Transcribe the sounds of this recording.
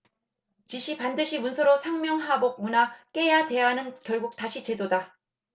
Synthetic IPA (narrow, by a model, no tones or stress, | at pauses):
t͡ɕiɕʰipandɯɕʰimunsʰʌɾosʰaŋmjʌŋɦabok̚munak͈e̞jade̞ɦanɯnkjʌɭɡuk̚taɕʰit͡ɕe̞doda